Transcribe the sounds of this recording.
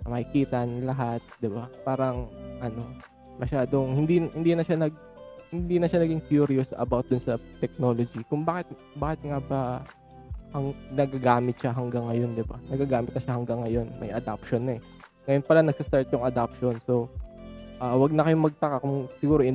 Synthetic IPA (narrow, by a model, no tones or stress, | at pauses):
mɐkɪkiːt̪ɐnlɐɦat̪̚d̪ɪbapaːɾɐŋʔɐno̞ | mɐʃaːd̪oŋhɪnd̪ihɪnd̪inɐʃanɐɡ̚ | hɪnd̪iːnɐʃanɐɡɪŋkjuɾijosɐ̰bawt̪̚d̪ʊnsɐt̪ɛk̚nolod͡ʒikʊŋbaːkɪt̪̚ | baːkɛt̪̚ŋabɐ | hɐŋnɐɡɐɡaːmɪt̪ʃaɦɐŋɡaŋːɐjo̞nd̪ɪbanɐɡɐɡaːmɪt̪̚ɐʃahɐŋɡaŋːɐjo̞nmʔɐ̰jʔɐd̪ap̚ʃonɛ | ŋɐjonpɐlanɐɡ̚sɐst̪aɹt̪jʊŋɐd̪ap̚ʃo̞nso̞ | ʔaːwɐɡ̚nɐkɐjomɐɡ̚t̪ɐkakʊŋsɪɡuːɾoʔɪ